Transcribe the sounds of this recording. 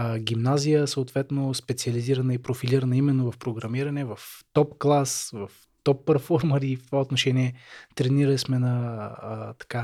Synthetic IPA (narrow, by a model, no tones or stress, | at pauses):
ɡʲimnazijəsəot̪vɛt̪nospɛt̪siɐliziɾɐnəipɾofiliɾɐnəimɛnːovɐfpɾoɡɾɐmiɾɐnɛvɐft̪ɔpklˠasvɐf | t̪ɔpːɐɾfɔɾməɾift̪ovaot̪noʃɛniɛt̪ɾɛniɾəlismɛnɐ | t̪ɐ̥ka